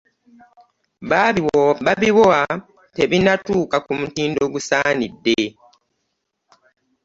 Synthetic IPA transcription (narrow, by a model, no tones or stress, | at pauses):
βaβaβiwoa | te̞βinatuːkakumutiːndo̞ɡusaːnidːe